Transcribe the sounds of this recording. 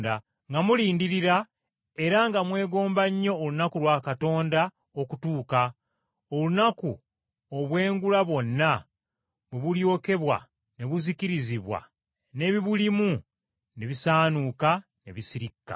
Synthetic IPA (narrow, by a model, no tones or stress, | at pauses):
da | ŋɡamuliːndiɾiɾa | e̞ɾaŋɡamwe̞ːɡo̞ːmbaɲːo̞ːlunakulwaːkato̞ːnda | okutuːka | olunaku | oβwe̞ːŋɡulaβo̞nːa | βeβuljo̞ːke̞βwa̰ | ne̞βuziciɾiziβwa̰ | ne̞βiβulimu | ne̞βisaːnuka | ne̞̰βisiɾikːa̰